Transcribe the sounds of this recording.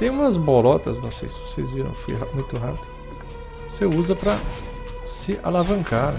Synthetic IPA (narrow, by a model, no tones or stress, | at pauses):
t̪ẽj̃ũmɐzbolɔt̪ɐznɐ̃w̃sejsɪ̥vosḛjzviɾɐ̰̃w̃fo̰jɦamũj̃t̪ʊɦapid̪ʊ | voseuzɐpɾɐ | sɪʔa̰lavɐ̃ŋkaɾ